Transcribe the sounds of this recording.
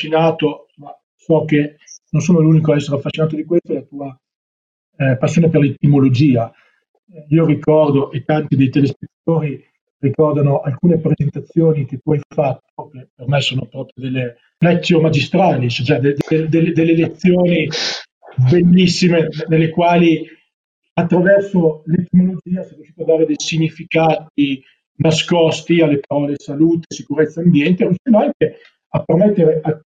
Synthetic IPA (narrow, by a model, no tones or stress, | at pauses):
faʃinaːt̪oma | sɔke | nons̬oːnoluːnikoaɛsːeɾeafːasːinaːt̪od̪ikwest̪oɛlat̪uːa | pasːjoneperlet̪imolod͡ʒiːa | iːorikɔrd̪oʔet̪ːant̪id̪ejt̪elespet̪ːat̪oːɾi | rikɔrd̪anoʔalkuːnepɾezent̪at̪sːjoːnik̟et̪ːuajfat̪ːokepermɛsoːnopɾɔːpɾjod̪elːe | nɛt̪sːjomad͡ʒist̪ɾaːlisot͡ʃɛd̪ed̪d̪eld̪elːed̪elːelet̪sːjoːni | belːisːimenelːekwaːli | at̪ːɾavɛrsolet̪emolod͡ʒiːasɛrjuʃiːt̪oad̪aːɾed̪ejsiɲːifikaːt̪̚i | naskɔst̪ialːepaɾɔːlesaluːt̪esikuɾet̪sːaambjɛnt̪erjuʃiːnoaŋke | apːermɛt̪ːeɾeʔa